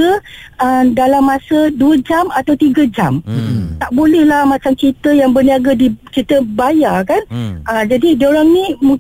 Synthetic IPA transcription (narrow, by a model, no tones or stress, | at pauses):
əʔədalamːasəduəd͡ʒamat̪awt̪iɡəd͡ʒamt̪aʔbolɛhlahmat͡ʃamt͡ʃit̪əjaŋbərniaɡadit͡ʃit̪əbajakanʔəd͡ʒadidioɾaŋnĩmũ